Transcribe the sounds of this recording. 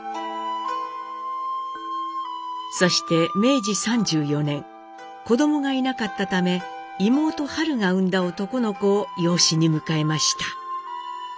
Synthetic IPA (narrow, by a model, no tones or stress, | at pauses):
so̞ɕi̥t̪e̞me̞ːd͡ʑisãɲ̟d͡ʑɨːjo̞nẽ̞ŋ | ko̞d̪o̞mo̞ɡainakat̪ːat̪ame̞ | imo̞ːt̪o̞haɾɯ̟ŋaɯ̟̃nd̪ao̞t̪o̞ko̞no̞ko̞ːjo̞ːɕiɲ̟imɯ̟kaemaɕi̥t̪ḁ